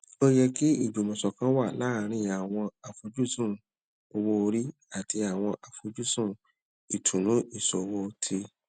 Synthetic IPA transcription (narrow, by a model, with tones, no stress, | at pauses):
o˦jɛ˧ki˦i˦˨d͡ʒo˨mɔ̃˨sɔ˨kã˦wa˦˨la˦˧ɾ̃ĩ˧a˨w̃ɔ̃˧a˨fo˧d͡ʒu˦sũ˦˨ | o˧wo˦o˧ɾi˦ | a˨ti˧a˨w̃ɔ̃˧ʔa˧fo˧d͡ʒu˦sũ˦˨ | i˨tʰũ˨nũ˨˦i˦˨sɔ˨˧wo˦˧tʰi˧